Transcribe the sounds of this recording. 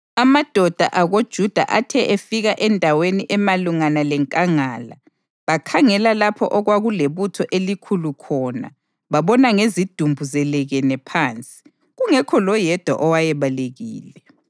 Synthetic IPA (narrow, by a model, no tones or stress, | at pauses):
amad̥ʱɔd̥ʱa̰ʔaɣod̥ʒ̥ʱud̥ʱa̰ʔatʰɛʔefiɣaʔɛndʱaweniʔɛmaluŋanalɛŋkʼaŋaːla̰ | βakʰaŋɛlalapʰɔ̰ʔɔɣwaɣuleβutʰɔʔelikʰulukʰɔːna̰ | βaβɔnaŋezid̥ʱumbʱuzɛlɛɣɛnɛpʰaːnt͡sʼi̥ | ɣuŋɛkʰɔlɔjɛd̥ʱwa̰ʔɔwajɛβaleɣḭːlɛ